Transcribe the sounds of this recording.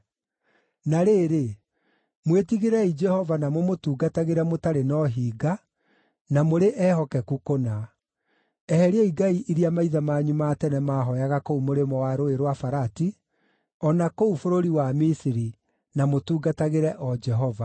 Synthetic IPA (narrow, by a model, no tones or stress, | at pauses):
naɾeːɾe | mwetiɣeɾɛid͡ʒɛhɔvanamwɛmotuːɡataɣeɾɛmotaɾenɔɦiːɡa | namoɾeʔɛhɔkɛkukona | ɛhɛɾeaiɡaiʔiɾiamaiðamaːɲumaːtɛnɛmaɦɔjaɣakoumoɾemɔwaɾoeɾwafaɾati | ɔnakoufoɾoɾiwamisiɾi | namotuːɡataɣeɾɛʔɔd͡ʒɛɦɔva